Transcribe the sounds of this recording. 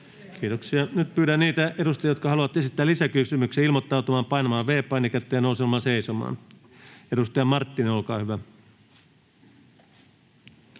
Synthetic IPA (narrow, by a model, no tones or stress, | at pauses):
kiːt̪oksiɑnyt̪pyːɾænniːt̪æedust̪ɑjɑjot̪kɑhɑluʋɑt̪e̞sit̪ːæːlisækysymykseːilmot̪ːɑut̪umɑːmpɑinɑmɑːʋʋeːpˑɑinikæt̪ːˑejænouseilmɑseisomɑ̰ːn | edust̪ɑjɑmɑrt̪ːineolkɑːhyʋæ